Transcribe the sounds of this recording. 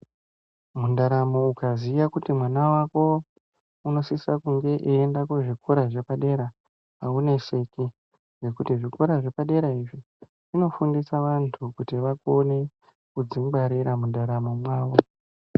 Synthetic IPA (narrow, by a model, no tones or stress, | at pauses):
mundaɾamo̞ukaziʋakutimwanawako̞ | uno̞sisakuŋɡe̞ʔiːndakweʐikʰoɾaʐe̞paɗe̞ɾa | aune̞se̞ki | ʐe̞kutiʐikoɾaʐe̞paɗe̞ɾaiʐi | ʐino̞fundisaʋantʰukutiʋakone̞ | kud͡ziŋɡ͡baɾiɾamundaɾamo̞mwaːʋo̞